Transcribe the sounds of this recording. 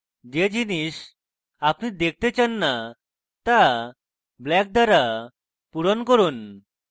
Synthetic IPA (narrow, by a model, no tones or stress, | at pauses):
d͡ʑed͡ʑiniʃ | apnid̪ek̚ʰt̪et͡ɕanːa | t̪a | blɛk̚d̪aɾa | puɾonkoɾun